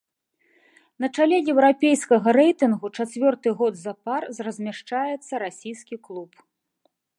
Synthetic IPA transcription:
nɐt͡ʂalʲɛjɛwɾapʲejskɐɣɐɾɛjt̪ɨnɣut͡ʂat͡sʲvʲɔrt̪ɨɣɔd̪zɐparzrɐzʲmʲaʂt͡ʂajɛt̪sːɐɾasʲijskʲiklˠup

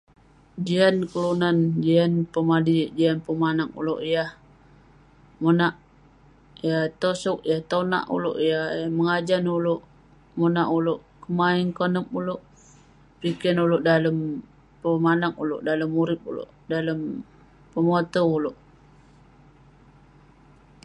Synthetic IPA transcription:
d͡ʒiankəlunand͡ʒianpəmadiʔd͡ʒianpəmanaŋṵlo̰ʔijah | monaʔ | jaht̪osɔk̚jaht̪ona̰ʔṵlʊ̰ʔijahməŋad͡ʒanulʊʔ | monaʔulʊʔ | kəmaiŋkənəpulʊʔ | pikənulʊʔdaləm | pəmanakulʊ̰ʔdaləmːuɾɪp̚ṵlo̰ʔdaləm | pəmot̪oulʊʔ

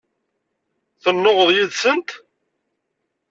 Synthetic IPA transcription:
θənːoʁəðˤjiðsənt̪

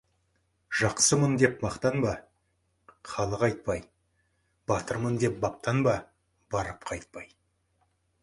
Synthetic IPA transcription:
ʒ̥ɑqsəmənd̪e̞pmɑqt̪ɑnbɑ | qʰɑlˠəqɑjt̪̚pɑj | b̥ɑt̪əɾmənd̪e̞p̚bɑp̚t̪ɑnbɑ | bɑɾəpqʰɑjt̪̚pɑj

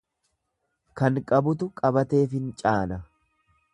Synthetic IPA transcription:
kɐŋkʼɐbʊt̪ʊkʼɐbɐt̪e̞ːfɪnt͡ʃʼaːnɐ

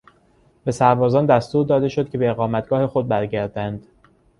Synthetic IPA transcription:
b̥e̞sæɾbɒːzɒːnd̪æst̪uːɾd̪ɒːd̪e̞ʃod̪̚kʲcʰe̞beeɣɒːmæt̪̚ɡ̥ɒːhe̞xo̞d̪̚bæɾɟæɾd̪ænd̪̥

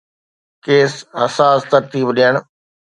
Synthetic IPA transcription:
keːsɦɐsaːst̪ɐɾt̪iːbɗijəɳ̃

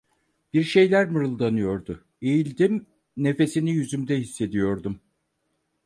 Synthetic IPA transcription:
b̥iɾʃe̞jlʲæɾmɯɾɯlˠd̪anɯjo̞ɾd̪ʊ | ejilʲd̪im | ne̞fe̞sinijyzymd̪ɛhisːe̞d̪ijo̞ɾd̪um

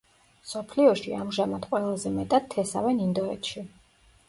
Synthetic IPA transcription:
msɔpʰliɔʃiamʒamad̪̥qʼwɛlˠazɛmɛt̪ʼad̪̚ʰːɛsa̰vɛnind̪ɔɛ̰t̪ʃi

